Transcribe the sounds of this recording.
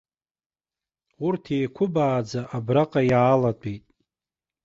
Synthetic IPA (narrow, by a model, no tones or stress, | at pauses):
ʊrtʰejkʷʰʊbaːd͡zaʔabraqʼajaːlatʷʼejtʼ